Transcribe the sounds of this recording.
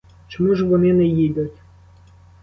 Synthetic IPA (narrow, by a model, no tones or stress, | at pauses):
t͡ʃɔmuʒʋɔnɪnɛjidʲɐtʲ